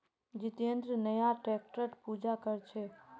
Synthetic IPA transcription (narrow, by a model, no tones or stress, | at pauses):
d͡ʒɪt̪ijə̃nd̪ɾənəjaʈɾek̚ʈəʈpud͡ʒakəɾt͡ʃʰe